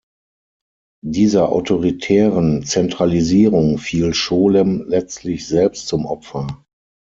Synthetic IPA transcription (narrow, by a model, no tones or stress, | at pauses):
diːzɐʔa̰ʊtʰoʁitʰɛːʁənt͡sɛntʁ̥aliziːʁʊŋfiːlʃoːləmlɛt͡stʰlɪçz̥ɛlpstt͡sʊmʔɔ̰pfɐ